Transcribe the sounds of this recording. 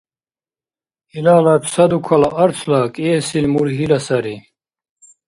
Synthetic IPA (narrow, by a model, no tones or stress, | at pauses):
hilaːlapʰsad̪ukʰalaʔaɾt͡sʰlakʼiɛsilmuɾɦilasaɾi